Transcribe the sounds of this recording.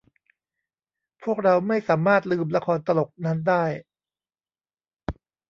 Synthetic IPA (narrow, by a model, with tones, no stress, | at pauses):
pʰu˥˩ək̚ɾa˧wma˥˩jsaː˩˦maː˥˩t̪̚lɯː˧mla˧kʰɔː˧nt̪a˧lo˨˩k̚na˦˥ndaː˥˩j